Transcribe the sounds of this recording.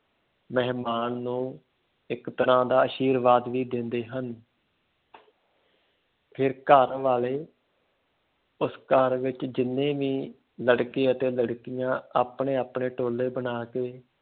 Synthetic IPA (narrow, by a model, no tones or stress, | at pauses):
mɛɦmaːnːũː | ɪkt̪əɾãːd̪aːəʃiːɾʋaːd̪ʋiːd̪ɪnd̪eːɦən | pʰɪɾkəɾʋaːleː | ʊskəɾʋɪt͡ʃd͡ʒɪnːẽːʋiː | ləɽkiːət̪eːləɽkijãːaːpɳeːaːpɳeːʈoːlːeːbənaːkeː